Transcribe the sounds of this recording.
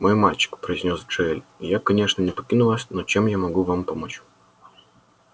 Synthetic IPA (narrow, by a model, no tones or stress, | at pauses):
mojmalʲt͡ɕːɪ̥kpɾəɪzʲnʲo̞sʐɨɛlʲjakɐnʲe̞ʂnənʲɪpɐkʲinʊlˠasʲnot͡ɕemjamɐɡuvampɐmot͡ɕ